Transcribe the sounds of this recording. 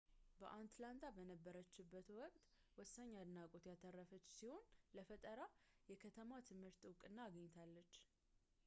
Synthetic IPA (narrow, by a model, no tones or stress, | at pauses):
bəʔant̪lant̪ʰabənəbːəɾət͡ʃːɪbːət̪wɔkʼt̪ʼ | wɔsːaɲːad̪ɨnakʼot̪jat̪ʰərːəfət͡ʃːsiho̞nləfət̪ʼəɾa | jɛkʰət̪ʰəmat̪ʰɨmhɨɾt̪wkʼɨnːaːɡəɲːt̪ʰalːət͡ʃː